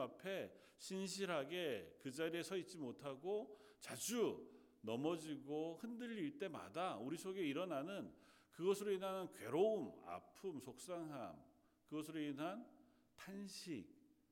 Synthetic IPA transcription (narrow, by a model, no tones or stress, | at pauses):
apʰe̞ | ɕʰinɕ̬ʰiɾɦaɡe̞kɯd͡ʑaɾiesʰʌit̚t͡ɕ͈imotʰaɡo | t͡ɕad͡ʑu | nʌmʌd͡ʑiɡohɯndɯʎːiɭt͈e̞ma̰dauɾisʰoɡe̞iɾʌnanɯn | kɯɡʌsʰɯɾoinɦanɯnkɥe̞̰ɾouma̰pʰumsʰok̚s͈aŋɦam | kɯɡʌs̬ʰɯɾoinɦan | tʰanɕʰik̚